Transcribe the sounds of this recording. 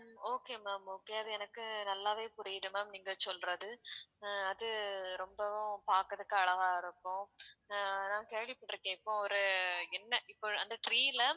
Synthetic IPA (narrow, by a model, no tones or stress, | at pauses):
oːkeːmaːmoːkeɐðɯɛnɐkːɯnɐlːaːʋeːpʊɾɪjɪɽɯmaːmniːŋɡɐsɔlrɐðɯ | ɐðɯɾɔmbɐ̃paːɾkɐðɯkːɯɐɭɐɣaːɪɾɯkːʊ̃ː | nãːkeːɭɪpːɐʈːɪɾɯkːẽːɪpːõːɔɾɯɛnːɐʔɪpːoɐnd̪ɐʈɾiːɪlɐ